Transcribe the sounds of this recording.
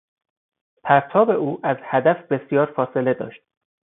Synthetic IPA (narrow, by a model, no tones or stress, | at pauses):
pʰæɾt̪ʰɒːbe̞uːʔæzhæd̪æfbe̞sjɒːɾfɒːse̞le̞d̪ɒ̰ːʃt̪